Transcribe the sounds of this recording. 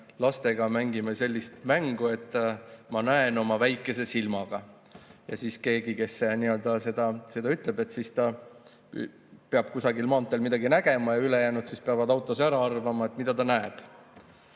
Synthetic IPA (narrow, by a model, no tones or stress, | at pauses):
lɑst̪e̞ɡɑmæŋɡimese̞lʲːist̪mæŋɡ̥ue̞t̪ːˑmɑnæeno̞mɑvæjkːˑe̞se̞silmɑɡ̥ɑ | jɑ̰siːske̞ːɡike̞sniø̞ld̪̥ɑse̞d̪̥ɑse̞d̪ɑyt̪ˑle̞be̞t̪ːsist̪ɑ̰ | peɑb̥̚kusɑɡilmɑːnt̪ːˑelmid̪̥ɑɡ̥inæɡ̥e̞mɑjɑyle̞jæːnud̪sispeɑvɑd̪ɑwt̪ːˑo̞sæɾɑɑrvɑmɑet̪ːˑmid̪̥ɑt̪ɑnæeb̥